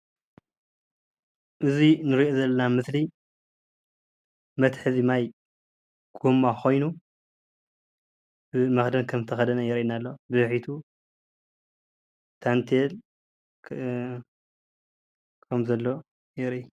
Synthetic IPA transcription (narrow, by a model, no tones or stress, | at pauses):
ʔɨzinɨɾiʔozɐlːɐnamɨsli | mɐt̪ħɨzimaj | ɡ̥omːakʰo̞jnu | bɨmɐxd̪ɐnkʰɐmt̪ʰɐxɐd̪ɐnɐjɛɾʔinalːobɨɨħit̪ʰu | t̪ʰant̪ʰel | kʰɐmzɐlːo̞ | jɛɾʔi